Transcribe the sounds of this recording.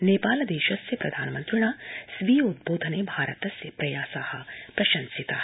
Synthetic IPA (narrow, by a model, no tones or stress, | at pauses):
neːpaːlɐd̪eːʃɐsjɐpɾɐd̪ʱaːnmɐ̃nt̪ɾiɽ̃aːsʋiːjud̪̚boːd̪ʱɐneːbʱaːɾɐt̪ɐsjɐpɾɐjaːsaːhɐ̆pɾɐʃɐ̃nsit̪aː